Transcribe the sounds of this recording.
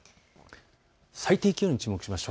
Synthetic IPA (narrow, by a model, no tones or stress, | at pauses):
sait̪eːkʲioːɲ̟it͡ɕɨːmo̞kɯ̟ɕimaɕo